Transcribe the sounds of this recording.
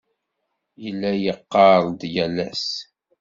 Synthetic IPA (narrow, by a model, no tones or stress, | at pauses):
jəlːæjəqːɑɾˤd̪jælæ̰s